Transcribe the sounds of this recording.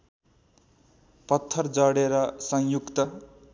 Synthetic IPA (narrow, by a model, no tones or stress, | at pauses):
pʌt̪ʰːʌrd͡zʌɽeɾʌsʌŋjukt̪ʌ